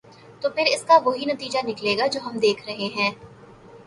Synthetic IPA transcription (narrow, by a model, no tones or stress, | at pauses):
t̪oːpʰɪɾɪskaʋoɦinɐt̪iːd͡ʒanɪkleːɡad͡ʒoːɦɐmd̪eːkʰɾɐɦeɦɛ̃ː